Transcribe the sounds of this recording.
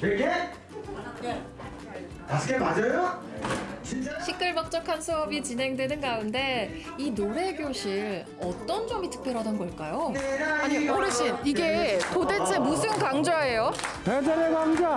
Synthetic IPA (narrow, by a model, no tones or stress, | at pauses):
eɡe | tasʰɯɡemad͡ʑʌjo | t͡ɕɕʰik͈ɯɭmʌk̚t͡ɕ͈ʌkʰansʰuʌbit͡ɕinɦe̞ŋdwe̞nɯnɡaunde̞ | inoɾe̞ɡjoɕʰiɭ | ʌt͈ʌnd͡ʑʌmitʰɯ̥k̚p͈jʌɾɦadanɡʌɭk͈ajoaɲikɯɾɯɕʰiniɡetodet͡ɕʰemus̬ʰɯnkaŋd͡ʑae̞jopedeɾeɡaŋd͡ʑa